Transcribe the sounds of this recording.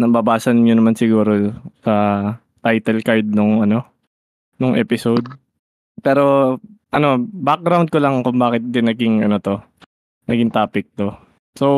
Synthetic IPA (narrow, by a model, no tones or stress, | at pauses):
nɐbɐbaːsɐnɲonɐmansɪɡuːɾo̞sɐ | t̪ajt̪ɛlkaɹd̪̚nʊŋʔɐno̞ | nʊŋʔɛ̰ːpɪsowd̪̚ | pɛːɾo̞ʔɐno̞bak̚ɡɾawnd̪̚kolɐŋkʊŋbaːkɪt̪̚d̪ɪnɐɡɪŋɐno̞t̪o̞ | nɐɡɪŋt̪aːpɪk̚t̪o̞ | so